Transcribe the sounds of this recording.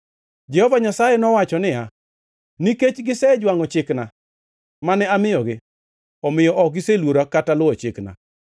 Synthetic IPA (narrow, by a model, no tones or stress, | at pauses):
d͡ʒɛhɔvaɲasajɛnɔwat͡ʃɔnɪja | niket͡ʃɡɪsɛd͡ʒwaŋɔt͡ʃɪkna | manɛamɪjɔɡɪ | ɔmɪjɔʔɔk̚ɡɪselwoɾakatalʊɔt͡ʃɪkna̰